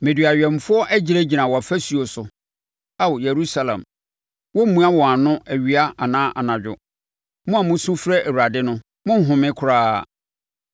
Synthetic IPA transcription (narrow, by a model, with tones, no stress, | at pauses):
mɪ̃˨dɥa˨ɥᶣɛ˨m˨fʊ˦ɔ˦ʔæ˦d͡ʑi˨ɾe˦d͡ʑi˨nã˨wɔ˨a˨fæ˦su˨o˨sʊ˨ | a˦wje˨ɾu˦sa˨lã̰˨m | wɔ˦m̩˦mũ˦a˦wɔ̃˨a˨nʊ̃˦æ˨ɥi˨a˦a˨nãː˦ʔa̰˨nã˨d͡ʑᶣʊ̰˨ | mʊ̃˦a˨mʊ̃˦sũ˦fɾɛ˦ʔæ˨wu˨ɾa˨dɪ˦nʊ̃˦ | mʊ̃˦ɦʊ̃˨mɪ̃˦kʰʊ˨ɾaː˦˨